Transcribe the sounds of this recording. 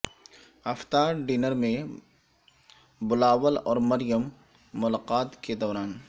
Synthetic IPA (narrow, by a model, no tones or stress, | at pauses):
ɐft̪aːɖiːnəɾmẽ | bʊlaːʋəlɔːɾmɐɾɪjəmː | ʊlaːqaːt̪ked̪ɔːɾaːn